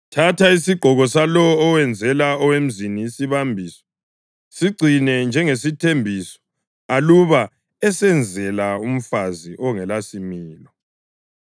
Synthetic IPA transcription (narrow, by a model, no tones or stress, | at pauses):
tʰatʰaisiɡ͡ǃ̥ʱɔɣɔsalɔːwɛnd͡zʱɛlaɔwem̩ziniːsiβambʱisɔ̥ | siɡ͡ǀʱinɛnd͡ʒʱɛŋesitʰembʱisɔ̥ | aluβa | ɛsɛnd͡zʱɛlaum̩faziʔɔŋɛlasimiːlɔ